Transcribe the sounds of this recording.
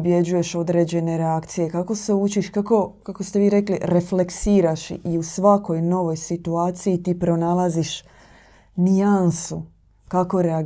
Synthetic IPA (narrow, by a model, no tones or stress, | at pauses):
bje̞d͡ʑuje̞ʃo̞d̪ɾe̞ːd͡ʑe̞ne̞ɾeakt̪sije̞kako̞se̞ut͡ʃiʃkako̞kakost̪e̞ʋiːɾe̞kliɾe̞fleksiːɾaʃḭʔiusʋako̞jno̞ʋo̞jsit̪uaːt̪sijit̪iːpɾo̞nalˠaziʃ | niansu | kako̞ɾe̞a